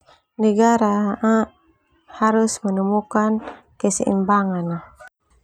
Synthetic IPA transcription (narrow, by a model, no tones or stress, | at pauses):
nəɡaɾaa | haɾusmənumukan | kəsḭʔḭmbaŋana